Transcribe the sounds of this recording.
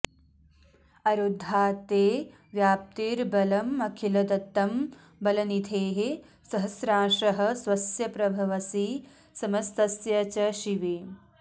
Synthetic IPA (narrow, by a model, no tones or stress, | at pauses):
ɐɾud̪ʱːaːt̪eː | ʋjaːp̚t̪iːɾbɐlɐmːɐkʰilɐd̪ɐt̪ːɐm | bɐlɐnit̪ʰeːɦe | sɐɦɐsɾaːʃɐɦɐ̆sʋɐsjɐpɾɐbʱɐʋɐsi | sɐmɐst̪ɐsjɐt͡ʃɐʃiʋi